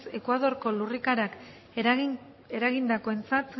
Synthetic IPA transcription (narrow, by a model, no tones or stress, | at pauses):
se̞kwaðo̞ɾko̞lurikaɾak | e̞ɾaɣind̪ako̞e̞nt͡sat̪